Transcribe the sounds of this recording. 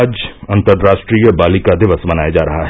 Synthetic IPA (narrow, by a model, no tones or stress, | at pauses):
d͡ʒɐ̃nt̪əɾːaːʃʈɾijəbaːlikad̪ɪʋəsbɐnaːjad͡ʒaːɾɐɦaɦɛ